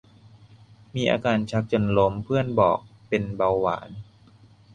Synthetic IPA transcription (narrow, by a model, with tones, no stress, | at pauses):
miː˧ʔa̰ː˧kaː˧nt͡ɕʰa˦˥k̚t͡ɕo˧nlo˦˥mpʰɯ˥˩ənbɔ̰ː˨˩k̚pe˧nba˧wːa̰ː˩˦n